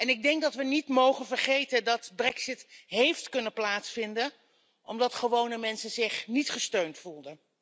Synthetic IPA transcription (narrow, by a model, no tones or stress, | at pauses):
ɛnɪɡ̚dɛŋɡ̚dɑtʋənitmowχənvəɹχejtəndɑtbrɛksɪtɦejftkɵnəplaːtsfɪndən | ʔɔmdɑtχəʋownəmɛnsəzɪχnitχəstøɥntfulˠdən